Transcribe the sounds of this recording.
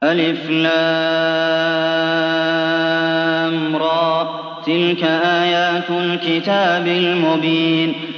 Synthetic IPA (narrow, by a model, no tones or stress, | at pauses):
ʔalɪfla | mɾˤɑː | t̪ɪlkaʔaːjaːt̪alkɪt̪aːbɪlmʊbiːn